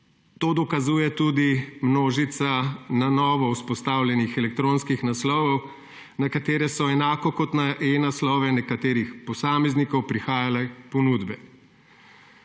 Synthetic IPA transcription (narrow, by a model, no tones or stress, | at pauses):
t̪oːd̪ɔkazuːjɛt̪uːd̪imnoːʒit̪sananɔːʋɔuspɔst̪aːwlʲjʲɛnixɛlɛk̚t̪ɾõːnskixnaslɔwɔw | nakat̪eːɾɛsɔɛnaːkɔkɔt̪naʔenaslɔʋɛnɛkat̪eːɾixpɔsaːmɛznikɔwpɾixaːjalɛpɔnuːd̪bɛ